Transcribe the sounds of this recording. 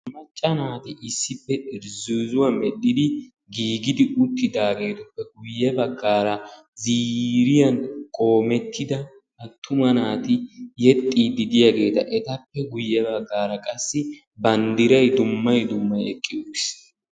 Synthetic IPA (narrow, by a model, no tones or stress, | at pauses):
mɐt͡ʃʼːɐnaːt̪ɪʔɪsːɪpːɛʔɪɾzuːzʊwamɛɗɪd̪ɪ | ɡiːɡɪd̪ɪʔʊt̪ːɪd̪aːɡe̞ːt̪ʊpːɛɡʊjːɛbɐɡːaːɾɐ | ziːɾɪjɐnkʼo̞ːmɛt̪ʰːɪd̪ɐ | ɐt̪ʰːʊmɐnaːt̪ɪjɛt̪ʼːiːd̪ɪd̪ɪjaɡe̞ːt̪ɐʔɛt̪ɐpːɛɡʊjːɛbɐɡːaːɾɐkʼɐsːɪ | bɐnd̪ɪɾɐjd̪ʊmːɐjd̪ʊmːɐjɛkʼːɪd̪oɪs